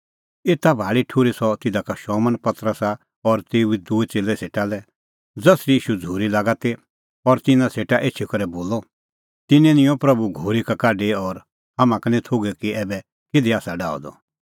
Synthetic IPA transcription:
eːt̪abʱaːɭiʈʰʊɾisɔt̪ɪd̪akaʃɔːmənpɐt̪ɾəsa | ɔɾt̪eːuid̪uɛt͡seːlːɛseːʈalɛ | d͡zɐsɾiiːʃud͡zʱuːɾilaːɡat̪e | ɔɾt̪ɪnãseːʈaʔeːt͡ʃʰikɐɾɛboːlɔ | t̪ɪnɛ̃nɪ̃jɔ̃pɾɐbuɡʱoːɾikakaːɖeɔɾ | ɦɐmãkɐnĩt̪ʰoːɡɛkiɛːbɛ | kɪd̪iaːsaɖaːɔ̰d̪ɔ̰

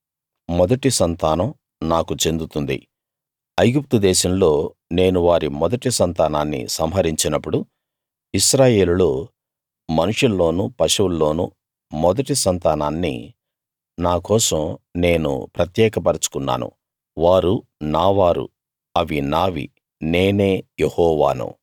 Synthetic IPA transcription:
mɔd̪ɐʈisɐnt̪aːnɐm | naːkut͡ʃe̞nd̪ut̪und̪ḭ | ɐjɡup̚t̪ud̪ɛːʃɐmlo̞ː | ne̞ːnuʋaːɾimɔd̪ɐʈisɐnt̪aːnaːnːḭsɐmɦɐɾiɲt͡ʃinɐpːuɽu | iʃɾaːjeːluloː | mɐnuʂulːo̞ːnupɐʃɐwulːo̞ːnṵ | mɔd̪ɐʈisɐnt̪aːnaːnːḭ | naːkɔːsɐ̃mne̞ːnṵpɾɐt̪jɛːkɐpɐɾɐt͡ʃu̥kunːa̰ːnṵ | ʋaːɾunaːʋaːɾṵ | ɐʋinaːʋḭ | ne̞ːne̞ːjehɔːʋa̰ːnṵ

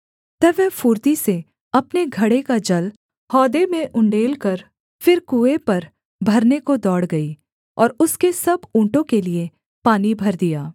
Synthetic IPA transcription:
t̪ɐʋɛːfuːɾt̪ise | ɐpneɡʱɐɽekad͡ʒɐl | hɔːd̪emẽʔʊ̃ɳɖeːlkɐɾ | fɪɾkuːepɐɾ | bʱɐɾnekod̪ɔːɽɡɐi | ɔːɾʊskesɐbũːɳʈõkelie | paːnibʱɐɾd̪ijaː

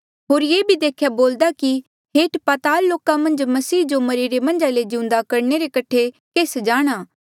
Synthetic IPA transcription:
ɦoːɾjeːbʱid̪eːkʰjaboːld̪aki | ɦeːʈpat̪aːɾloːkãmɐ̃nd͡ʒmɐsiːd͡ʒomɐɾiɾemɐ̃nd͡ʒaled͡ʒɪʊ̃nd̪akɐɾneɾekɐʈʰekeːsd͡ʒaːɽ̃aː

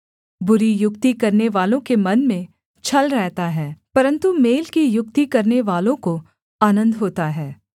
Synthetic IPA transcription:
bʊɾijʊkt̪ikɐɾneʋaːlõkemɐnmẽ | t͡ʃʰɐlɾɛɦt̪aɦɛːpɐɾə̃nt̪umeːlkijʊk̚t̪ikɐɾneʋaːlõko | aːnə̃nd̪ɦoːt̪aɦɛː

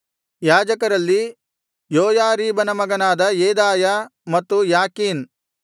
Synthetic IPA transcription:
jaːd͡ʒɐkɐɾɐlːi | joːjaːɾiːbɐnɐmɐɡɐnaːd̪ɐjeːd̪aːjamɐt̪ːujaːkiːn

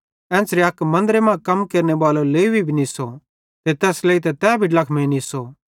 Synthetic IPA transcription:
ɛ̃ːsɾeɐkmɐ̃nd̪əɾemãːkɐmkeːɾnebaːloleːibibʱiniso | t̪et̪ɛːsleːit̪̬ɛt̪ɛːbʱiɖlɐkʰmẽːniso

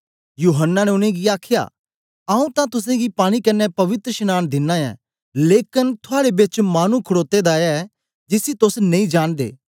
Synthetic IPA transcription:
juːɦənːaneʊnẽɡiaːkʰja̰ː | aũt̪ãt̪ʊs̬ẽɡipaːɽ̃ikɐnːɛpɐʋɪt̪ɾəʃɪnaːnd̪ɪnːãɛ̰ː | leːkɪnt̪ʰʊaːɽebɪt͡ʃmaːnukʰʊɽoːt̪ːed̪aɛ | d͡ʒɪsit̪ʊsnɐ̃ĩd͡ʒaːnd̪ḛː

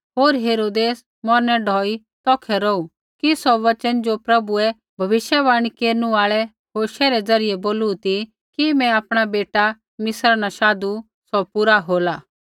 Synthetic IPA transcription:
ɦoːɾɦeːɾoːd̪eːs | mɔɾnɛɖʱɔːi | t̪ɔːkʰɛɾɔu | kisɔʋɐt͡ʃənd͡ʒopɾɐbuɛ | bʱɐʋɪʃjɛbaːɽ̃ikeːɾnũaːɭɛ | ɦoːʃɛɾɛd͡zɐɾɪjɛboːluut̪i | kimɛ̃aːpɽ̃abeːʈa | mɪsɾanaʃaːd̪u | sɔpuɾaɦoːlaː

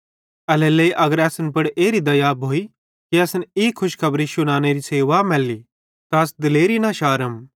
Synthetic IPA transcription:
ɐlɛleːiʔɐɡəɾɛːsnpɐɽeːɾid̪ɐjabʱoːi | kiɐsniːkʰʊʃkʰɐbɾiʃʊnaːneɾiseːʋamɛlːi | t̪aɐsd̪ɪleːɾinaʃaːɾəm

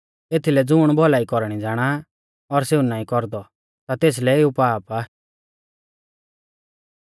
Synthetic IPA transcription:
eːt̪ʰilɛd͡zʊːɽ̃bʱɔlaːikɔɾɽ̃id͡zaːɽ̃a | ɔɾseːunaːĩkɔɾd̪ɔ | t̪at̪eːs̬lɛeupaːpaː

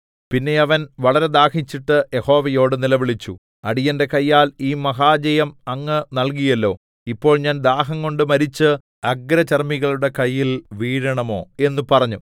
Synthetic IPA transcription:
pinːe̞ɐʋɐnʋɐɭɐɾe̞d̪aːhit͡ɕːiʈːɨje̞ho̞ːʋɐjo̞ːɽɨnilɐʋiɭit͡ɕːu | ɐɽijɐnde̞kɐjːaːliːmɐɦaːd͡ʑɐjɐmɐŋːɨnɐlk̬ijɐlːo̞ː | ipːo̞ːɭɲaːnd̪aːɦɐŋko̞ɳɖɨmɐɾit͡ɕːɨ | ɐɡɾɐt͡ɕɐrmiɣɐɭuɽe̞kɐjːilʋiːɾɐɳɐmo̞ːe̞nːupɐrɐɲːu

